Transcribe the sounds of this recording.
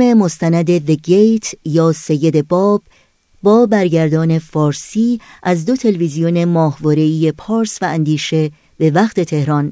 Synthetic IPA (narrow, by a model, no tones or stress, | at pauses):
me̞mo̞st̪ænæd̪e̞veɡejt̪ʰjɒːse̞jːe̞d̪e̞bɒːb̥ː | ɒːbæɾɟæɾd̪ɒːne̞fɒːɾsiːʔæzd̪o̞t̪ʰe̞levizijone̞mɒːhvɒːɾe̞iːje̞pʰɒːɾsvæænd̪iːʃe̞ | be̞væχt̪ʰe̞t̪ʰe̞hɾɒn